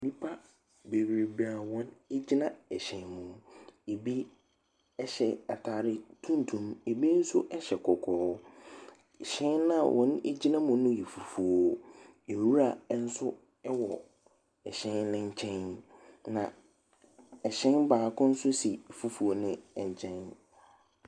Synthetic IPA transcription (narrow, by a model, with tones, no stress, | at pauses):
nĩ˦pʰa˦ | be˨wɾe˨ba˨wɔ̃˦ne˦d͡ʑi˦nã˨ɛ˨ɕɛ̃˨˦nmũ˨e˨bi˦ | ɛ˦ɕɛ˨a̰˨tʰaː˨ɾɪ˦tʰũ˦n˦tʰũ˨me˨bi˦n̩˦sʊ˦ʔɛ˦ɕɛ˨kʰɔ˨kʰɔː˨˦˨ | ɕɛ̃˦nnã˦˨wʔɔ̃˦ne˦d͡ʑi˦nã˦mʊ̃˦nʊ̃˦jɛ˨fu˨fu˨o˨ | e˨ɾu˦ɾa˨˦n̩˦sʊ˦ | ɛ˦wɔ˨ | ɛ˨ɕɛ̃˦nnɪ̃˦ɲ̩˦t͡ɕʰɛ̃˦nnã˨ | ɛ˨ɕɛ̃˦nbaː˨kʰʊ̃˦n̩˦sʊ˦si˨fu˦fu˨o˦nɪ̃˦ɛ˨ɲ˨t͡ɕʰɛ̃˦n